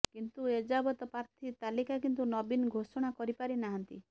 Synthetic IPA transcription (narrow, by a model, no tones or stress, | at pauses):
kint̪ued͡ʒabɔt̪ɔpaɾt̪ʰit̪alikakint̪unɔbinɡʱosɔɽ̃akɔɾipaɾinaɦɔnt̪i